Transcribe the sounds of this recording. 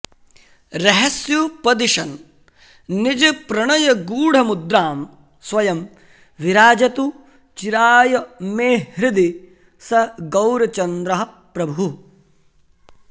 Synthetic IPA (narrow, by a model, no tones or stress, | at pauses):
ɾɐɦɐsjupɐd̪iʂɐnː | id͡ʒɐpɾɐɳɐjɐɡuːɽ̤ɐmud̪ɾaːm | sʋɐjɐm | ʋiɾaːd͡ʒɐt̪u | t͡ʃiɾaːjɐmeːɾid̪i | sɐɡɐwɾɐt͡ʃɐnd̪ɾɐɦɐ | pɾɐbʱu